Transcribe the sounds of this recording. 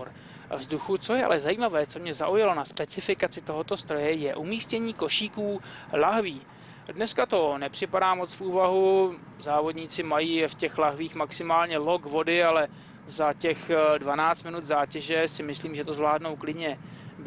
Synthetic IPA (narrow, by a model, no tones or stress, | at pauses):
ɾ | vzduxut͡so̞jɛa̰lɛzajiːmavɛːt͡so̞mɲɛza̰ʔujalo̞naspɛt͡sɪfɪkat͡sɪt̪o̞ɦo̞t̪o̞st̪ɾo̞jɛjɛʔumiːscɛɲiːko̞ʃiːkuː | laɦviː | dnɛskat̪o̞nɛpr̥ɪpadaːmo̞t͡sfuːvaɦu | zaːvo̞dɲiːt͡sɪmajiːfcɛxlaɦviːxmaksɪmaːlɲɛlo̞ɡvo̞dɪalɛ | zacɛxdvanaːt͡st̪mɪnut̪zaːcɛʒɛsɪmɪsliːmʒɛt̪ozvlaːdno̞wklɪdɲɛb